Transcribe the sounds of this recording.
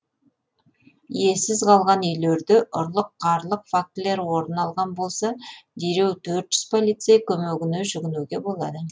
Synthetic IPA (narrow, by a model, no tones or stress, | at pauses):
je̞sɪzqʰɑlˠʁɑnʏjle̞ɾd̪ɪʔʊɾlˠəqːɑɾlˠəqfak̚t̪le̞ɾwo̞ɾənɑlˠʁɑnbo̞lˠsɑd̪eɾe̞wt̪ʰɵɾt̪ʒ̥ʏz̥pʰo̞lˠijt̪sejkʲʰɵmeɡʲɪnɪʒʏɡʲɪnuɡʲe̞bo̞lˠɑd̪ə